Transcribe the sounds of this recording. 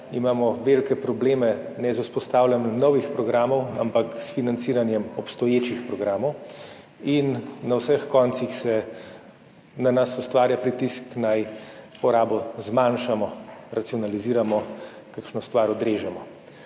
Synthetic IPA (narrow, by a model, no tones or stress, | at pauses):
imaːmɔʋelkɛpɾɔbleːmɛnɛzuspɔst̪aːwlʲanjɛmnɔwixpɾɔɡɾaːmɔwa̰mpaksfinant̪siːɾanjɛmɔpst̪ɔjeːt͡ʃixpɾɔɡɾaːmɔw | inːawsəxkɔnt̪sixsɛ | nanasust̪ʋaːɾjapɾit̪isknajpɔɾaːbɔzmanʃamɔɾat̪iɔnaliziːɾamɔ | kakʃnɔst̪ʋaːɾɔd̪ɾeːʒɛmɔ